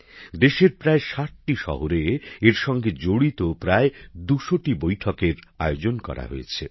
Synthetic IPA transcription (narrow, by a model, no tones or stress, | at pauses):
d̪eʃeɾpɾaeʃaʈ̚ʈiʃɔ̰ɦoɾeeɾʃɔŋɡed͡ʑoɽit̪opɾaed̪uʃoʈibojʈʰɔkeɾa̰eod͡ʑonkɔ̰ɾa̰ɦo̰jet͡ɕʰe